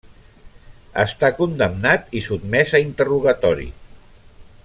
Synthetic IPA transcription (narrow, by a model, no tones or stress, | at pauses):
ə̰st̪akund̪əmnat̪isud̪mɛzəint̪əruɣat̪ɔɾḭ